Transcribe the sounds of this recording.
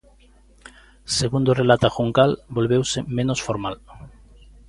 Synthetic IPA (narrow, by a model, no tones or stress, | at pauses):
seɣund̪orelat̪axuŋkalbolβewsemẽnosfoɾmal